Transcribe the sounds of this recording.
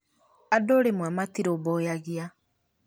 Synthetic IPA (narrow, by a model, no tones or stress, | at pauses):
adoɾemwamatiɾobɔjaɣia